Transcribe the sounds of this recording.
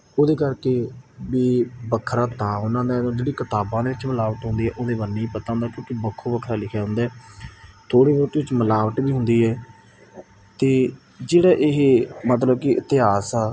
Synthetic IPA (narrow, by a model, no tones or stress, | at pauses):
oːd̪eːkəɾkeːbiːbəkʰɾaːt̪ãːɦʊnãːd̪aːd̪õːd͡ʒeːɽiːkɪt̪aːbãːd̪eːʋɪt͡ʃməlaːʋət̪ɦʊ̃nd̪iːɦɛːʔoːd̪eːbənːĩːpət̪ãːnd̪aːkjõːkibəkʰːoːbəkʰɾaːlɪkʰjaːɦʊ̃nd̪aːt̪ʰoːɽiːboːt̪iːɪt͡ʃməlaːʋət̪biːɦʊ̃nd̪iːɦɛː | t̪eː | d͡ʒeːɽaːʔɪɦmət̪̬ləbkɪʔɪt̪ɪɦaːsaː